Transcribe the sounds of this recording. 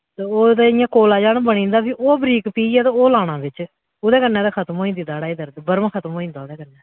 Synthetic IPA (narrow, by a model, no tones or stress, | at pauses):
t̪eːoːd̪eːɪjãːkoːlaːd͡ʒaːnbənĩːnd̪aːpʰĩːʔoːbəɾiːkpiːɛːt̪eːoːlaːnãːbɪt͡ʃ | oːd̪eːkənːɛ̃ːd̪aːkʰət̪moːĩːnd̪ɪd̪aːɽaːid̪əɾd̪bəɾmãːkʰət̪moːĩːnd̪aːod̪eːkənɛː